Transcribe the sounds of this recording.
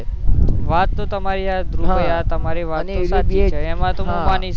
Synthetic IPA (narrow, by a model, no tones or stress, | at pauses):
ʋat̪ːõt̪əmaɾiad̪ɾuəjat̪əmaɾiʋat̪ːõsat̪ʰieːmãt̪umũʋani